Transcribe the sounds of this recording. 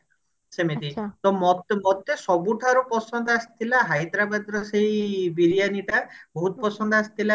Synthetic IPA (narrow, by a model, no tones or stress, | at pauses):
semet̪it̪ɔmɔt̪mɔt̪esɔbuʈʰaɾɔpɔsɔnd̪ɔasi̥t̪ʰilaɦajd̪ɾabad̪ɾɔsejbiɾijaniʈabɔɦut̪̚ɔpɔsɔnd̪ɔasi̥t̪ʰila